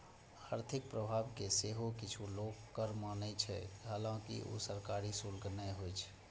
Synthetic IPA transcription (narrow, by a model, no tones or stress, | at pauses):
aɾt̪ʰɪk̚pɾəbʱabkeseɦokɪt͡ʃʰuloːkkːəɾmanɛt͡ʃʰɛ̰ɦaːlãkḭʔo̰səɾkaɾisulɡnəɦojt͡ʃʰ